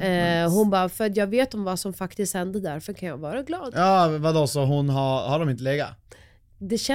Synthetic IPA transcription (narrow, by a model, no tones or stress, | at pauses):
ɛɦʊnbɑːfœɾat̪jɑːɡveːt̪ɔmvasɔmfakt̪ɪst̪hɛnd̪əd̪æɾfœɾkʰanjɑ̰ːɡvɑːɾaɡlɑːd̪jɑːvad̪osɔɦʊnɦahaɖɔmɪnt̪əleːɡa̰ | d̪ɛɕɛ